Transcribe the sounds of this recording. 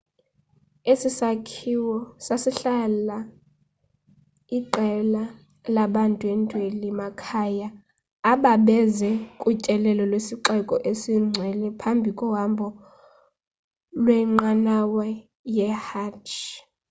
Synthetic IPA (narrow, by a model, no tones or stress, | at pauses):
esisakʰiwɔsasiɬala | iǃɛla | laɓantʼuɛntʼwelimakʰajaː | ɓaɓɛzɛkʼut͡ʃʼɛlɛlɔlwesiǃɛkʼɔʔesiŋ͡ǀʱwɛlɛpʰambʱikʼɔwambʱɔ | lwɛŋ͡ǃanawɛ | jɛhat͡ʃʰ